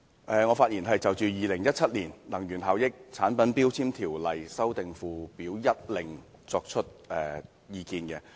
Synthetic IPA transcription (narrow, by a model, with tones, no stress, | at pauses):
ʔɛː˨˧ŋɔː˨˧faː˧t̚jiː˨˩nɦɐ˨jt͡sɐ˨wt͡ʃyː˨jiː˨lɪ˨˩ŋjɐ˥t̚t͡sʰɐ˥t̚liː˨˩nlɐ˨˩ŋjyː˨˩nɦaː˨˧wjɪ˥k̚t͡sʰaː˨˥npɐ˨˥npiː˥wt͡sʰiː˥mt̪ʰiː˨˩wlɐ˨jsɐ˥wt̪ɪ˨ŋfuː˨piː˨˥wjɐ˥t̚lɪ˨˩ŋ | t͡sɔː˧k̚t͡ʃʰɵ˥t̚ʔɛː˨˧ | jiː˨˧kiː˧nkɛ˧